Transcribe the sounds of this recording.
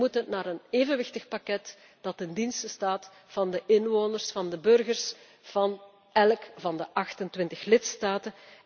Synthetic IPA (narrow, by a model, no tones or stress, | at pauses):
mutənaːɾəneːvənʋɪxtəxpakɛt | d̥ɑtɪndinstəstaːt | fɑndəʔɪnʋoːnərsfɑndəbɵrɣərs | v̥ɑn | ɛlkvɑndəʔɑxtəntwɪntəxlɪtstaːtə